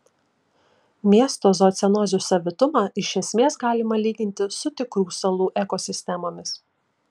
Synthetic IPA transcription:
mʲiɛst̪oːzoːt̪sʲɛnɔːzʲusɐʋʲɪt̪ʊmɑːʔɪʃʲɛsʲmʲeːsɡɑːlʲɪmɐlʲiːɡʲɪnʲt̪ʲɪsʊt̪ʲɪkɾuːsɐlˠuːʔɛkoːsʲɪsʲt̪ʲɛmoːmʲɪs

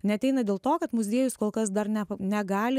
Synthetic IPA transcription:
nʲɛɐt̪ʲɛɪnɐd̪ʲeːlˠt̪oːkɐt̪mʊzʲiɛjʊskoːlˠkɐs̬d̪ɐɾnʲɛnʲɛɡɑːlʲɪ

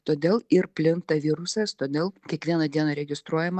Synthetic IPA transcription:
t̪oːd̪ʲeːlˠɪɾpʲlʲɪŋk̚t̪ɐʋʲiɾʊsʲɛst̪oːd̪ʲeːlˠkʲiɛkʋʲiɛnɐd̪ʲiɛnɐɾʲɛɡʲɪst̪ɾuɔjɛmɐ

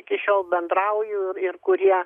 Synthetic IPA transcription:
ɪkʲɪʃʲoːlˠbʲɛnd̪ɾɐʊjʊːɪɾɪrkʊɾʲiɛ

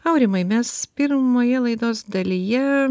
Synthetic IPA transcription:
ɐʊɾʲɪmɐɪmʲɛspʲɪɾmoːjɛlˠɐɪd̪oːsd̪ɐlʲijɛ

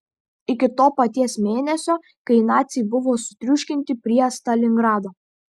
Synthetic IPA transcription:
ɪkʲɪt̪oːpɐt̪ʲiɛsmʲeːnʲɛsʲoː | kɐɪnɑːt̪sʲɪjbʊʋoːsʊ̥t̪ʲɾʲʊʃʲkʲɪnʲt̪ʲɪpʲɾʲiɛst̪ɐlʲɪŋɡɾɑːd̪oː

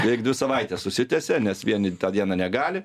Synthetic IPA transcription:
ɛɪk̚dʲʋʲɪsɐʋɐɪt̪ʲɛssʊsʲɪt̪ʲɛsʲɛnʲɛsʋʲiɛnʲɪt̪ɑːd̪ʲiɛnɑnʲɛɡɑːlʲɪ

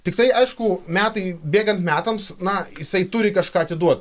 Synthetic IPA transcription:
t̪ʲɪkt̪ɐɪɐɪʃkʊmʲæːt̪ɐɪbʲeːɡɐnt̪mʲæːt̪ɐmsnɐjɪsɐɪt̪ʊɾʲɪkɐʃkɑːɐt̪ʲɪd̪uɔt̪̚

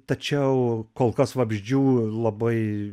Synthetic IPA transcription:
t̪ɐt͡ʃʲɛʊkoːlˠkɐsʋɐbʲʒʲd͡ʒʲuːlˠɐbɐɪ

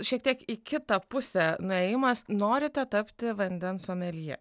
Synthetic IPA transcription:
ʃʲiɛkt̪ʲɛkikʰʲɪt̪ɑpʊsʲɛnʊɛjɪmɐsnoːɾʲɪt̪ʲɛt̪ɑpʲt̪ʲɪʋɐnʲd̪ʲɛnsɔmɛlʲjɛ̰

